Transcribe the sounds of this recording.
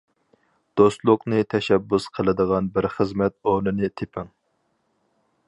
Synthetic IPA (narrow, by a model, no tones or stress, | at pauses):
d̪̥ost̪lˠʊqnɨt̪ʰɛʃɛbːusqʰəlˠɨd̪əʁɑnbɪɾχəzmɛt̪onɨnɨt̪ʰepʰɪŋ